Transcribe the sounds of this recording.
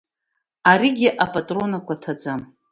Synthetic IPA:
aɾiɡʲiʔapʼatʼro̞nakʷʰatʰad͡zam

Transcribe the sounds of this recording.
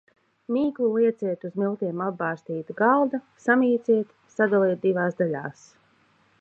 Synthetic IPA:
miːklˠulˠiɛt̪siɛt̪uzmilˠt̪iɛmabɑːɾst̪iːt̪ɡalˠd̪a | samʲiːt̪siɛt̪ | sad̪alˠiɛt̪̚d̪ivaːsd̪alʲa̰ːs

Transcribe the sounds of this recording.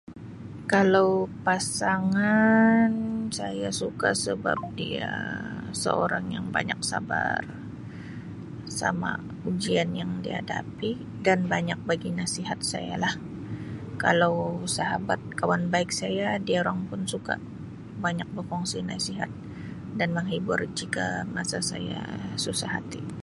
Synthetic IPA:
kalawpasaŋansajasukasəba̰p̚diasə̰o̰ɾaŋjaŋbaɲak̚sa̰bar | sa̰ma̰ | ud͡ʒianjaŋdiha̰da̰pi | danbaɲak̚baɡinasiɦat̪̚sa̰ja̰lah | kalawsaɦabat̪̚kawanbaɪk̚sajadiaoɾaŋpʊnsuka̰ | baɲak̚bərkɔŋsinasiɦa̰t̪̚ | danməŋɦibʊrd͡ʒikamasasa̰ja̰susahɦat̪i

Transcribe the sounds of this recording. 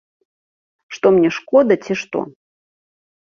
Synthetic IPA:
ʂt̪ɔmnʲɛʂkɔd̪ɐt͡sʲiʂt̪ɔ̰

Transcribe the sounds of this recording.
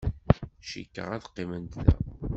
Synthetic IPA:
ʃḭkːə̰ʁæθqːimənt̪ðæ̰

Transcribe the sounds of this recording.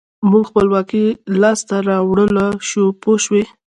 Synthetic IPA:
muɡxpəlwɑkilɑst̪aɾɑwɽəlaʃupoʃwe

